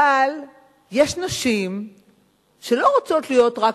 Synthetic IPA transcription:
al | jeʃnaʃim | ʃe̞lo̞ʁat͡so̞tlijo̞tʁa

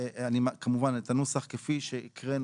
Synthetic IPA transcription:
animakamuvanet̪anusaχkefiʃeʔikʁen

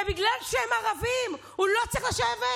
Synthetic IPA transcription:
biɡlalʃehemaʁavim | hulo̞t͡sʁiχlaʃeve

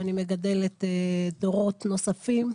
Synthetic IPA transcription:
anime̞ɡade̞let̪edo̞ʁo̞t̪no̞safim

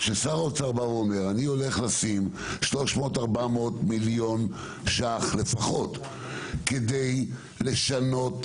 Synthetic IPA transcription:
ʃesaʁot͡saʁbavuome̞ʁanio̞le̞χlasimʃlo̞ʃmo̞ːtaʁbameot̪miljo̞n | ʃaχle̞faχo̞t̪ | ked̪e̞j | le̞ʃano̞t

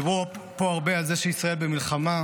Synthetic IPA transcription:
vʁupo̞aʁbealzeʃeisʁaelbe̞milχama

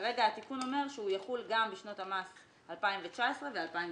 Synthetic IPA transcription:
aʁe̞ɡaat̪ikuno̞me̞ʁʃeujaχulɡambiʃno̞tamas | halpaimvet͡ʃaesʁe̞vealpaim

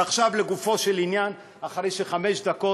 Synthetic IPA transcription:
aχʃavle̞ɡufo̞ʃelinjan | aχʁejʃeχameʃd̪ako̞

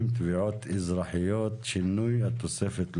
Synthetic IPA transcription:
mt̪biʕoːt̪ʔɪzɾˤɑːħɪjːoːt̪ʃɪnːujat̪ːosɛfet̪l

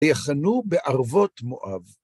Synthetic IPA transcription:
jaχanubeʔaʁvotmo̰ʔav

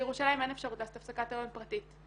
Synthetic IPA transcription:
eʁuʃalajimenefʃaʁut̪laːsot̪afsakatalonpʁatit

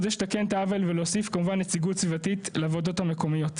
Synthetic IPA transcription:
zeʃt̪akent̪aavelvelosifkamuvanːet͡siɡutt͡svivatitleavodo̞thameko̞mijo̞tt

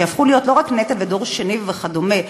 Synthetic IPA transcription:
afχulijo̞tlo̞ʁaknet̪abedo̞ʁʃeniveχad̪ome

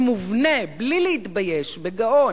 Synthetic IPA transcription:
muvneblilehit̪bajeʃbeɡaʔo

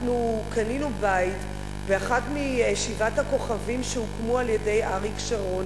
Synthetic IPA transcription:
nukaninubajit | beaχatmijeʃivathako̞χavimʃeukmualjede̞jʔaʁikʃaʁo̞n

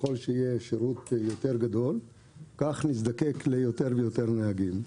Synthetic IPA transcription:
o̞lʃeijeʃeʁut̪jo̞t̪e̞ʁɡad̪o̞l | kaχnis̬d̪ake̞klejo̞t̪e̞ʁvejo̞t̪e̞ʁneɦaɡim

